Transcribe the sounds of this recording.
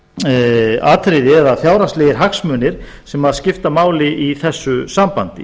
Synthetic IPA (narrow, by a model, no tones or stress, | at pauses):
aːt̪ʰɾɪjðɪɛðafjaːwɾastlɛːɣɪɾ̥ɦaksmœːnɪɾ̥ | sɛmaðscɪft̪amaːwlɪʔiθɛsːʏsampant̪ɪ̰